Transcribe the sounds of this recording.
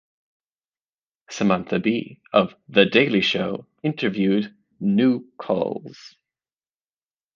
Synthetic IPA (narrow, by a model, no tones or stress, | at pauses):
səmãnθəbḭʌvðədeɪlˠiʃoʊ | ɪ̃ntʰə˞vjʉdⁿ | nuːkʰɔ̰lˠz̥